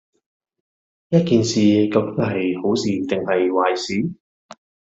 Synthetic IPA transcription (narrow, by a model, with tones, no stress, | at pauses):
jɐ˥t̚kiː˨nsiː˨˩kɐ˧wkɪ˨˥ŋɦɐ˨jho˨˥wsiː˨t̪ɪ˨ŋhɐ˨jwaː˨jsiː˨˥